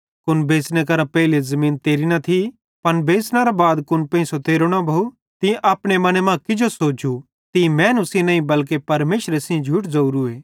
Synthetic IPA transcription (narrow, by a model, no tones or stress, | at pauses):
kʊnbeːsnek̬ɐɾãpɛɦɪlezɐmĩːnt̪eːɾinɐt̪ʰi | pɐnbeːsnaɾabaːd̪kʊnpɐ̃ĩsot̪eːɾoɽ̃abʱɐu | t̪ĩʔaːpɽ̃emɐnemãkɪd͡ʒosoːd͡ʒu | t̪ĩmɛ̃ːnʊsĩnɐːĩbɐlk̬epɐɾmeːʃɾesĩd͡ʒʱuʈ̬zɐuɾueː